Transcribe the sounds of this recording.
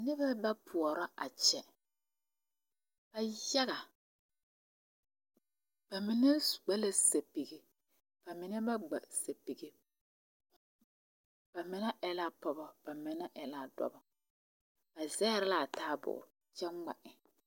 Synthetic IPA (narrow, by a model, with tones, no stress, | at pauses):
nɪ˦ba˦ba˦pʰʊ˨ɔ˨ɾa˦ʔa̰˨t͡ʃɛ˨ | b̥a˨ja˦ɣa˨ | b̥a˨mɪ˨nɛ˦˨ɡ͡ba˦la˦se˨pi˨ɡɪ˨ | b̥a˨mɪ˨nɛ˦ba˦ɡ͡ba̰˨se˨pi˨ɡe˦ | b̥a˨mɪ˨na˦ʔɛ˦la˦pɔ˨bɔ˦b̥a˨mɪ˨na˦ʔɛ˨laː˦dɔ̰˦bɔ˨ | b̥a˨zɛː˦˨ɾɪ˦la˨taː˦bʊ̰˨ʔʊ̰˨ | t͡ʃɛ˦a̰˨ʔɪ˨